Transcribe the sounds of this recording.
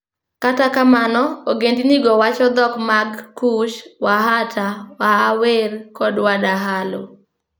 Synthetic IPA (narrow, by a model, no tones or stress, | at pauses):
katakamanɔoɡendiniɡɔwat͡ʃɔd̪ɔkmaɡkuʃwaɦatawahawerkɔdwadaɦalo̰